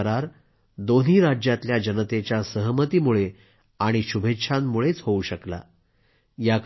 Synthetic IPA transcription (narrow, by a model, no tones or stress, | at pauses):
əɾaɾ | d̪on̤iːɾad͡ʑjat̪ljad͡ʑənət̪et͡ɕjasəɦəmət̪iːmuɭe | aɽ̃iɕubʱetʂʰanːuɭet͡sɦouɕəkla̰ | jak